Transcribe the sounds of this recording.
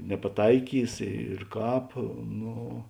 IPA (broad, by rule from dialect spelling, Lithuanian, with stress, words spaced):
nʲɛpɐˈtɐɪkʲiːs ɪr ˈkɑːp ˈnoː